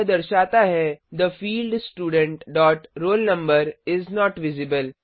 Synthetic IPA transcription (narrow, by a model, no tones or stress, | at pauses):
d̪ɐɾʃaːt̪aɦɛd̪əfiːlɖsʈuːɖə̃ɳʈɖɔːʈɾoːlnɐ̃mbəɾɪznɔːʈʋɪzɪbəl